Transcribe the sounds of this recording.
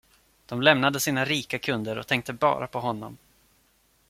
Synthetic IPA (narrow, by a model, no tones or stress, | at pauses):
d̪̥ɔmlɛmnad̪əsiːnaɾiːkakʰɵnd̪əɾɔ̰t̪ʰɛŋk̚t̪əbɑ̰ːɾʔapʰɔɦɔnːɔ̰m